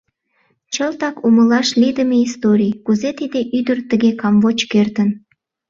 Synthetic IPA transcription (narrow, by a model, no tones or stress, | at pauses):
t͡ɕəlt̪ɑkuməlɑʃlid̪əmeist̪oɾʲijkuzet̪id̪eʔyd̪ərt̪əɣekɑmvot͡ɕkert̪ən